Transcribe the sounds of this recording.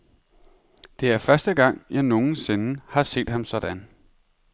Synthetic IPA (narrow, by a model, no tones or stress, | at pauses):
d̥e̝æɐfɶɐsd̥əɡ̥ɑ̈ŋ̰jɑ̈ɪno̝ːn̩se̝nəhɑ̈se̝̰ːd̥hɑ̈msɒ̽d̥æn